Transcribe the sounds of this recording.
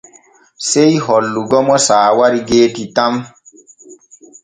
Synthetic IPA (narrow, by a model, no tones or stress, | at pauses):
sejɦɔlːuɡɔmɔsaːwaɾiɡeːtitam